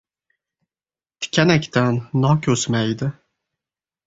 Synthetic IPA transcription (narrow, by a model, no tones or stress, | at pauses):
t̪ʰi̥kʲʰɛnɛkʲt̪ʰænːɑkʲʰøsmɛjd̪ɪ